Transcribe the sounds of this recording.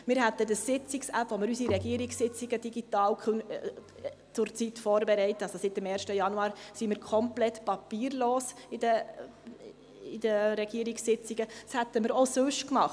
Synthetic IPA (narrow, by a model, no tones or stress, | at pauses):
mɪɾɦæt̪ːədəsːɪt͡sɪksæpʋɔmɪɾysiɾɛɡiəɾɪksɪt͡siɡəd̥iɡit̪ɑːlkʰøn | t͡sʊɾt͡sitfɔːɾbɛɾɛɪtəɑsosɪtːəmɛːɾʃtəjɑnuɑːɾsimɪːɾkʰɔmplɛtpɑpiːɾloːs | idə | id̥əɾɛɡ̥iəɾiksːɪt͡siɡ̥əd̥shæt̪əmɪɾosʉʃkmɑχt